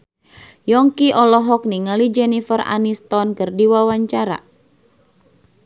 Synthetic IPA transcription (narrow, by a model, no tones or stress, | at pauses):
jɔŋkiʔɔlɔɦɔk̚niŋalid͡ʒɛnifəra̰nist̪ɔnkɨrdiwawaɲt͡ʃaɾa̰